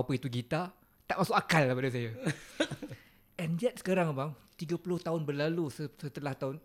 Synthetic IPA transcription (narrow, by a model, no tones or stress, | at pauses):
apəit̪uɡit̪a | t̪aʔmãsʊkakalːahpadas̬aja | ʔɛnd͡ʒɛt̪̚sə̥kaɾaŋbaŋt̪iɡapulʊht̪aʊnbərlalusəsət̪əlaht̪aʊn